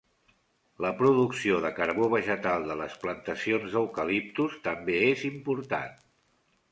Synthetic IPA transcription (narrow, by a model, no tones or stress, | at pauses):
ləpɾuðuksioðəkəɾβoβ̞əʒət̪alˠd̪ələsplənt̪əsionzðəwkəlip̚t̪ust̪əmbeezimpuɾt̪a̰n